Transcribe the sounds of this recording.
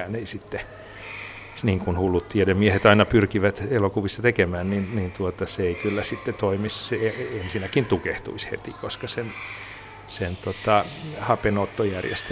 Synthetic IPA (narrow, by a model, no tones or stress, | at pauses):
neisit̪ːe | niːŋkunhulːut̪t̪iedemmiehet̪ɑinɑpyrkiʋæt̪elokuʋisːɑt̪ekemæːnninnint̪uot̪ɑseeikylːæsit̪ːet̪oimisseensinækint̪ukeht̪ṵishḛt̪ikoskɑsen | sent̪ot̪ɑhɑpenot̪ːojærjḛst̪e